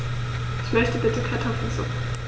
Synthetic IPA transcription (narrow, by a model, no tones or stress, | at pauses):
ʔɪçmœçtəbɪtəkʰaɐtʰɔf̩zʊ̰